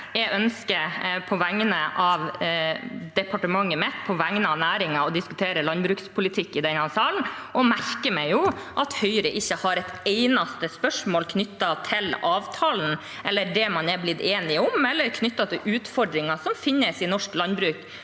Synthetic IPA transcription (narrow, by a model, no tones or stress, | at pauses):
jɛɡœnskəɾpʰɔʋæŋnəʔɑʋ | d̪ɛpɑʈəmɑŋːəmɛt̪pʰɔʋæŋnəɑʋnæːɾɪŋɑɔd̪ɪskʉt̪ʰeːɾəlɑnbɾʉːkspʰʊlɪt̪ʰɪkːɪd̪ɛnhɑnsɑːlnʔɔmæɾkəmɛɪjʊʔɑt̪hœʏɾəʔɪçːəhɑɾɛt̪eɪnɑst̪əspœʂmoːlkʰnʏt̪ːɑt̪ʰɪlɑːʋt̪ʰɑːln̩ | ɛlːəɖ̪ɛmɑnɛblɪd̪eːnɪʊmɛlːəɾkʰnʏt̪ːɑt̪ʰɪlʔʉːt̪fɔɖɾɪŋɑsɔmfɪnːəsɪnɔʂklɑnbɾʉːk